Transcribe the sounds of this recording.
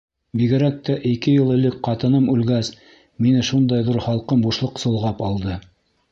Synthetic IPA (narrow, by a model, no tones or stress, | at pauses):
biɡɘ̆ɾæk̚t̪æʔikɘjɤlˠɘ̆lɘk̚qɑt̪ɤ̆nɤmʉlɡæs | minɘʃund̪ɑjðuɾχɑlˠqɤmbuʃlˠɤqsŏlˠʁɑpɑlˠd̪ɤ